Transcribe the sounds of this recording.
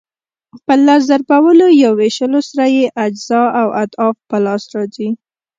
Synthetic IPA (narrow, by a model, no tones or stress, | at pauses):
pəlaɾzaɾbawəlojaweʃəlosaɾajeʔad͡ʒz̥ɑawat̪ɑfpəlɑsɾɑzi